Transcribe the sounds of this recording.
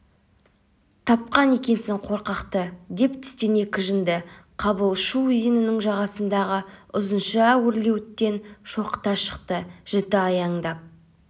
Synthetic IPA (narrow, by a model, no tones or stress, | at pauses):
t̪ʰɑpqɑne̞kʲe̞nsɪɴqʰo̞ɾqɑqt̪əd̪e̞pt̪ʰɪ̥st̪ene̞kʲɪʒənd̪ɪqʰɑbəlˠʃuizinɪnɪŋʒɑʁɑsənd̪ɑʁəʊzənʃəæwɪɾle̞wɪt̪ːe̞nʃo̞qə̥t̪ɑʃə̥qt̪əʒ̥ɪt̪ɪɑjɑɴd̪ɑp̚